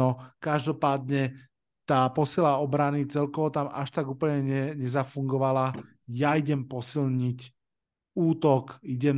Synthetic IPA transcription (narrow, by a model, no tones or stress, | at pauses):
ɔkaʒd̪ɔpaːd̪ɲɛ | t̪aːpɔsilaɔbɾanit͡sɛlkɔʋɔt̪ama̰ʃt̪aɡuːpl̩ɲɛɲɛɲɛzafuŋɡɔʋala | jaiɟɛmpɔsilɲic | uːt̪ɔkiɟɛm